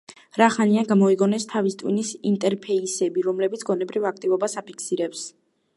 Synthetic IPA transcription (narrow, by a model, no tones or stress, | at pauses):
ɾaχaniaɡamɔiɡɔnɛst̪ʰavist̪ʼwḭnisint̪ʼɛɾpʰɛisɛbiɾɔmlɛbit̪sʰɡɔnɛbɾivak̚ʰt̪ʼivɔbasapʰi̥kʰsiɾɛps